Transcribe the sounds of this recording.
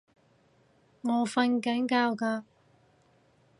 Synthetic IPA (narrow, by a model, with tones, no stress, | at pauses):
ŋɔː˨˧fɐ˧nkɐ˨˥nkaː˧wkaː˧